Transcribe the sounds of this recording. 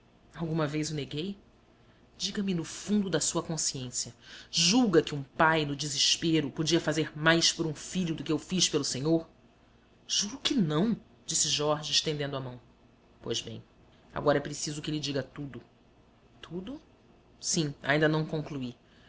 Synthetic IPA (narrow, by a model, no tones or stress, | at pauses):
awɡũmɐvejzeneɡej | d͡ʒiɡɐmɪnʊfũnd̪ʊd̪ɐsuɐkõsiẽsjɐʒuɡɐkɪũpajnʊd͡ʒizɪʃpeɾʊpod͡ʒiɐfazeɾmajspʊɾũfiʎʊd̪ʊkɪewfiʃpelʊsẽɲoɾ | ʒ̥uɾʊkɪnɐ̃w̃ | d͡ʒisɪʒɔɾʒɪɪʃt̪ẽnd̪ẽnd̪ʊamɐ̃w̃ | po̰jzbḛ̃j̃ | a̰ɡɔɾɐɛpɾesizʊkɪelɪd͡ʒiɡɐt̪ud̪ʊ | t̪ʰud̪ʊ | sĩa̰ĩnd̪ɐnɐ̃w̃kõŋklui